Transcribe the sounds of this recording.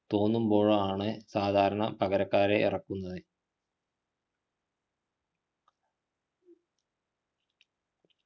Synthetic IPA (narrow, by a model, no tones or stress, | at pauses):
t̪o̞ːnːumbo̞ːɻaːɳɨsaːd̪ʱaːɾɐɳɐpɐɣɐɾɐkːaːɾeḭrɐkːunːɐðɨ